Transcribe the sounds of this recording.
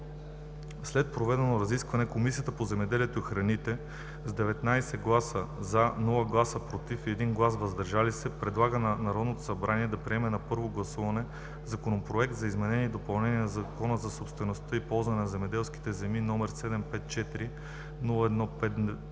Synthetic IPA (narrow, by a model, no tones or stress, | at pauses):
slɛt̪̚pɾovɛd̪ɛnoɾɐziskvɐnɛkomisiət̪əpozɛmɛd̪ɛliɛt̪oixɾɐnit̪ɛ | zd̪ɛvɛt̪najsɛɡlˠasəzɐnɔlˠəɡlˠasəpɾot̪ifɛd̪inɡlˠasvɐzd̪ɐɾʒalisɛpɾɛd̪lˠaɡənnɐɾɔd̪not̪o̥sɐbɾaniɛd̪ɐpɾiɛmɛnɐpɤɾvoɡlˠɐsuvɐnɛ | zɐkonopɾoɛk̚t̪zɐizmɛnɛniːd̪opɐlˠnɛniɛnɐzɐkɔnəzɐsopst̪vɛnost̪ɤipɔlˠzvɐnɛnɐzɛmɛd̪ɛlˠski̥t̪ɛzɛminɔmɛɾsɛd̪ɛmpɛt̪t͡ʃɛt̪iɾi | nulˠəɛd̪nɔpɛt̪